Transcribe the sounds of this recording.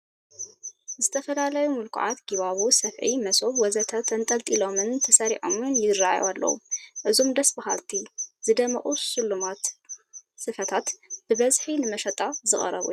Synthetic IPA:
zɨt̪ʰɐfɐlalajumɨlkʰʕa̰t̪ɡiβaβusɐfʕimɐsoβwɔzɐt̪ʰɐt̪ʰɐnt̪ʼɐlt̪ʼilo̞mɨnt̪ʰɐsɐɾiʕo̰mɨnjɪɾːaj̰walːɐ̰wṵmʔɨzo̞md̪ɐsbaha̰lt̪ʰizɨd̪ɐmɐʔʼuʃɨlːumat̪ | sɨfɐt̪ʰat̪b̥ɨbɐzħinɨmɐʃɐt̪ʼazɨχʼɐ̰ɾɐ̰βṵ

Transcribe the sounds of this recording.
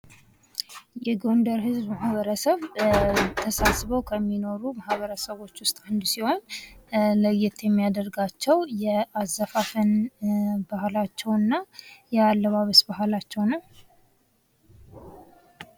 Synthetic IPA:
jɛɡond̪əɾɦɨzbmahβəɾəsəβ | t̪ʰəsasβəwkʰəmːino̞ɾumahβəɾəsəβo̞t͡ʃːwʊst̪ʼand̪usiho̞n | ləjːɪt̪ʰjɛmːijad̪ərɡat͡ʃːɛwjɛazːafafɨn | bəhlat͡ʃːɛwɨnːajɛalːəβaβəsbəhlat͡ʃːɛwnəw

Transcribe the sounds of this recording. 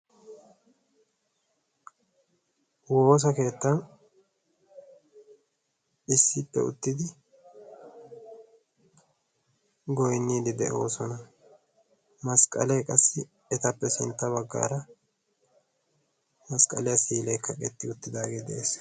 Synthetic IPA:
wo̞ːs̬ɐke̞ːt̪ːɐn | ɪsːɪpːɛ̰ʊ̰t̪ːɪd̪ɪ | ɡɔjnːiːd̪ɪd̪ɛʔo̞̰ːsɔnɐ | mɐskʼɐ̰lejkʼɐsːɪ | ɛt̪ɐpːɛsɪnt̪ːɐβɐɡːa̰ːɾɐ | mɐskʼɐ̰lɛjɐsiːlɛjkʰːɐkʼɛt̪ːɪʊt̪ːɪd̪aːɡeːd̪ɛʔeːs

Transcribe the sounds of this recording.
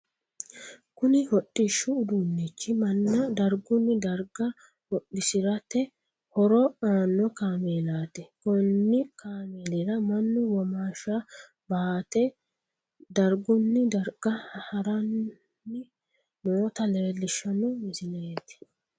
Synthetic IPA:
kʊnɪhɔɗːɪʃːʊːd̪ʊnːit͡ʃːɪmɐnːɐd̪ɐɾɡʊnːɪd̪ɐɾɡɐ | hɔɗɪsɪɾɐt̪ːɛ | hɔɾɔaːnːɔkaːmeːlaːt̪ɛkɔnːɪkaːmeːlɪɾɐmɐnːʊwɔmaːʃa | baːt̪ɛ | d̪ɐɾɡʊnːɪd̪ɐɾɡ̥ɐhɐɾɐnː | ɪ | moːt̪ɐlɛɾlːɪʃɐnɔmɪzɪneːt̪ɪ̥

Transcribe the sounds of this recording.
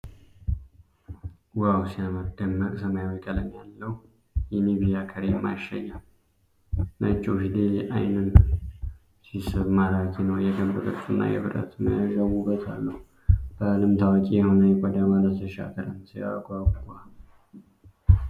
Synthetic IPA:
wawsijaməd̪ːəmːəkʼsəmajawkʼələnjalːəhu | jɛniβijakʰəɾemːa̰ʃa̰ja | nʔət͡ʃʼːofid̪elʔajnɨn | sisɨβmaɾakʰenəwjɛkəmbɨk̪ʼəɾsʼunːa̰jɛ̰βɨɾə̰t̪ʰməjaʒawubːət̪ʰa̰lːəhu | b̥əlɨmt̪ʰawəkʼijɛho̞nəjɛkʼɔd̪amaləsʰəʃa̰k̪ʰəɾəmsija̰ɡʷaɡɡal

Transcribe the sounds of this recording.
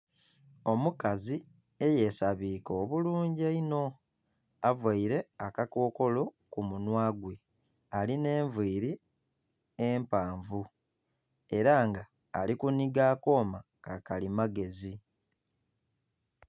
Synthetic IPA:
o̞mukazi | e̞je̞saβiːkoːβuluːɲɟeino̞ | avwaiɾe̞akako̞ːko̞lo̞ | kumunwaːɡwe̞ | aline̞ːɱvwiːɾi | eːmpaːɱvu | e̞ɾaŋɡaː | likuniɡaːko̞ːma | kakalimaɡe̞zi

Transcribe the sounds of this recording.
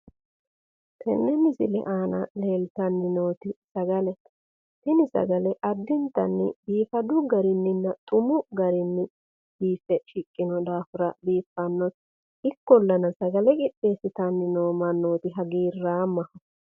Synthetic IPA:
t̪ʰɛ̰nːɛmɪsɪlɛ̰ʔaːnɐ̰le̞ːlt̪ɐnːɪnoːt̪ɪsɐɡɐlɛ | t̪ɪnɪsɐ̰ɡɐlɛʔɐd̪ːɪnt̪ɐ̰nːɪ̰biːfɐd̪ʊɡɐɾɪnːɪnːɐt̪ʼʊmʊɡɐɾɪnːɪ | biːsɛʃɪkʼːɪnɔd̪aːfʊɾɐbiːfːɐnːɔt̪ | ɪkːɔlːɐnɐsɐɡɐlɛkʼɪɗːeːsɪt̪ɐnːɪno̞ːmɐnːo̞ːt̪ɪɦɐɡiːrːaːmɐhɐ

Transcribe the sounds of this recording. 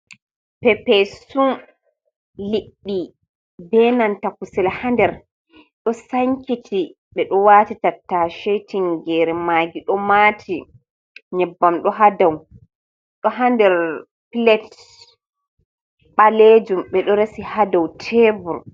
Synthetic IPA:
pɛpɛsun | liɗːi | bɛnantakusɛlhandɛɾ | ɗɔsaŋkitʰi | ɓɛɗɔwaːtitatːaʃetiŋɡɛɾɛmaːɡiɗɔmatʰi | ɲɛbːamɗɔɦadaw | ɗɔɦandɛɾ | pilɛt | ɓaled͡ʒumɓɛɗɔɾesihadawtʰeːvuɾ

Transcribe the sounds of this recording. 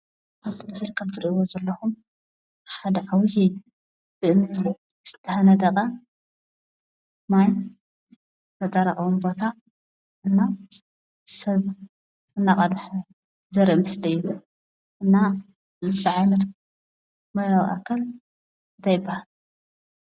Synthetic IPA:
ʔaβt̪ʰɨmɐsɨlkʰɐβt̪ʰɨɾiʔɨwozɐlːɐxum | ħad̪ɐʕawijɛjːu | b̥ɨɨnːɨhl | z̥ɨt̪ʰːɐhɐnɐd̪ɐkʼɐ | maj | nɐt̪ʼɐɾɐχʼwumbo̞t̪ʰa | ʔɨnːa | sɐβ | ɨnːaqʼɐd̪ħ | zɐɾiʔmɐslɐjːu | ʔɨnːa | nɨsɐʕajnɐt̪ | mɐɾawḭʔa̰kʰːal | nt̪ʰajɪbːahal

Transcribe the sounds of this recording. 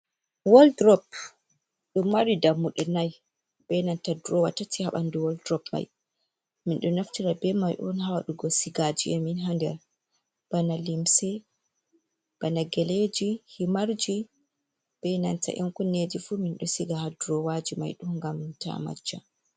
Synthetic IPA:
wɔldɾɔp̚ | ɗumːaɾidamːuɗɔnaj | bɛnantaduɾɔwatːatihaɓanduwɔldɾɔpma̰j | minɗɔnaftiɾabɛmajʔɔ̰nɦawaɗuɡɔsiɡad͡ʒiɛminɦandɛ̰ɾ | b̥analimsɛ | b̥anaɡɛled͡ʒihimaɾd͡ʒi | b̥ɛnanta̰ʔɛnkɔned͡ʒifuminɗɔsiɡahaduɾɔwad͡ʒima̰jɗuŋɡamta̰ma̰d͡ʒːa̰

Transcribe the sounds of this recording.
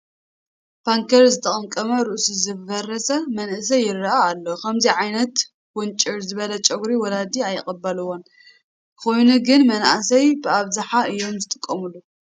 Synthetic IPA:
b̥ʰaŋkʰɐɾzɨt̪ʰɐkʼɨnkʼɐmɐɾuʔsizɨbɐrɐsɐmɐnʔɨsɐjɪrːɐaːlːokʰɐmziʕajnɐt̪ | ɡ̥ʊnt͡ʃʼɪɾzɨβɐlɐt͡ʃʼɐɡɾiwɔlad̪iajːɪχʼɐbːɐlɨwːon | kɨxo̞jnuɡɨnmɐna̰sɐjbɨaβzaħaɨjːo̞mzɨt̪ʼɨkʼːɐmulːu

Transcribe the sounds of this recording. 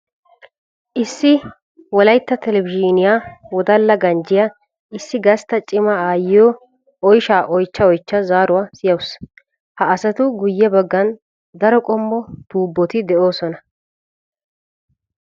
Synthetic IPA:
ʔɪsːɪ | wɔlɐjt̪ːɐt̪ɛlɛvɪd͡ʒinɪjawɔd̪ɐlːɐɡɐnd͡ʒɪjɐ | ɪsːɪɡɐst̪ːɐt͡ʃʼɪmɐaːjɪjɔ | ɔjʃaːʔɔjt͡ʃːɐɔjt͡ʃːɐzaːɾʊwaːsɪjɐws | hɐːsɐt̪ʊɡʊjːɛbɐɡːɐn | d̪ɐɾɔkʼɔmːɔd̪̥uːbːɔt̪ɪd̪ɛʔo̞ːsɔnɐ

